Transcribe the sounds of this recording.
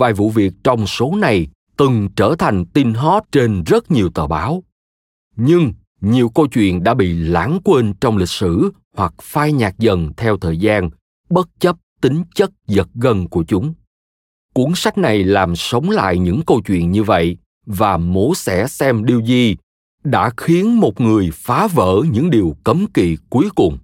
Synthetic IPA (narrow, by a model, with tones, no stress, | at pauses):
vaː˨˩jvṵ˧˨vi˨˩ək̚t͡ɕɔ˧wŋ͡mso˨˦na˨˩j | t̪ɨ˨˩ŋt͡ɕəː˧˩t̪ʰa˨˩jŋ̟t̪i˧nɦɔ˦˥t̚t͡ɕe˧nzə˦˥t̚ɲi˨˩əwt̪ə̰ː˨˩ɓaː˨˦w | ɲɨ˧ŋ | ɲi˨˩əwkə˧wt͡ɕwḭ˧˨ənɗa̰ː˧˥ɓḭ˧˨laː˧˥nkwe˧nt͡ɕɔ˧wŋ͡mlï˨˩k̟̚sɨ˧˩ | hwa˨˩k̚faː˧jɲaː˨˩k̚zə˨˩nt̪ʰɛ˧wt̪ʰəː˨˩jzaː˧n | ɓə˦˥t̚t͡ɕə˦˥p̚t̪ï˨˦ŋ̟t͡ɕə˦˥t̚zə˨˩t̚ɣə˧nku˧˩ət͡ɕʊ˨˦ŋ͡m | kwu˧˦˥ənsa˦˥jk̟̚na˨˩jlaː˨˩msə˨˦wŋ͡mla̰ː˧˨jɲɨ̰˧˥ŋkə˧wt͡ɕwḭ˧˨ənɲɨ˧və̰˧˨j | vaː˨˩mo˨˦sɛ̰˧˥sɛ˧mɗi˧wzi˧ | ɗa̰ː˧˥xi˨˦ənmo˨˩t̚ŋɨ˨˩əjfaː˨˦və̰ː˧˥ɲɨ̰˧˥ŋɗi˨˩əwkə˨˦mkḭ˧˨ku˨˦əjkʊ˨˩ŋ͡m